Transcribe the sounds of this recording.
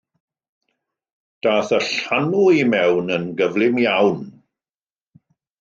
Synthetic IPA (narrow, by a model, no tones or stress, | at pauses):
d̥aːθəɬanuimɛwnənɡəvlˠɪmjawn